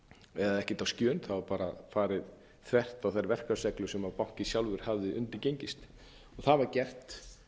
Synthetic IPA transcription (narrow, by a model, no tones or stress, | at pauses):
ɛðaðɛhcɪt̪awscœːnθavaɾpaːɾa̰faːɾɪð | θvɛr̥t̪awθajɾvɛr̥kaɾsɛklʏsɛmapawŋ̥cɪsjawlvʏɾ̥havðɪʏ̰nt̪ɪcejɲcɪst̪ | ɔθaðvaɾcɛr̥t̪